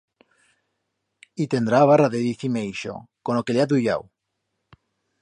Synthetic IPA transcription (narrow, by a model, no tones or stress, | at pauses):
it̪end̪ɾaːβ̞araðeðiθimejʃo̰konokeleaðuja̰w